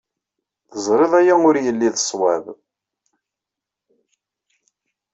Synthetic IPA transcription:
θəzˤɾeðˤæjæʊɾjəlːiðəsˤwæv

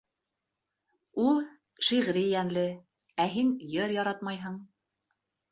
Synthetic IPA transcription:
ulˠ | ʃiʁɾijænlɘ | æɦinjɤɾjɑɾɑt̪mɑjɦɤɴ

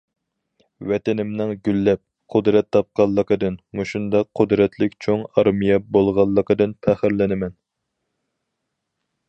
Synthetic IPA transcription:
wɛt̪ɛnɪmnɪŋɡʲylːɛp̚ | qʰʊd̪ɾɛt̪ʰːɑp̚qɑlˠːəqəd̪ɨnmuʃund̪ɑqqʰːʊd̪ɾɛt̪ʰlɪkʲt͡ʃʰoŋɑɾmijɛbolˠʁɑlˠːəqəd̪ɨnpʰæχɪɾlɪnɪmɛn

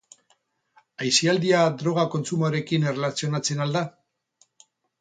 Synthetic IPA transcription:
ajsiald̪iad̪ɾo̞ɣ̞ako̞nt͡sumoɾe̞kine̞relasio̞nat͡se̞nald̪a

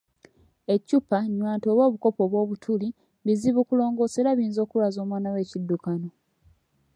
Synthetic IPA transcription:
e̞cːupaɲːwaːnto̞ːβo̞ːβuko̞po̞βwo̞ːβutʰuli | βiziβukulo̞ːŋɡo̞ːse̞ɾaβiːnzo̞ːkulwazo̞ːmwaːnawe̞ːcidːukano̞

